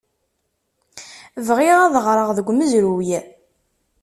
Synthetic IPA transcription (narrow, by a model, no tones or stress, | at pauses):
vʁɪʁaðəʁɾˤəʁðəɡʷːməzɾujæ